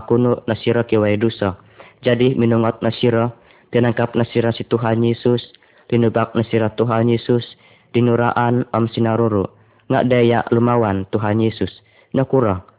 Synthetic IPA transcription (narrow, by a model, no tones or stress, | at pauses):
kunuʔnasiɾɔkiwaidusɔ | d͡ʒadiminuŋɔt̪̚nasiɾɔ | t̪inaŋkap̚nasiɾasit̪uɦanjɛsus | linubak̚nasiɾɔt̪uɦanjɛsus | dinuɾaʔanɔmsinaɾuɾu | ŋa̰ʔdaja̰ʔlumawant̪uɦanjɛsus | nɔkuɾɔ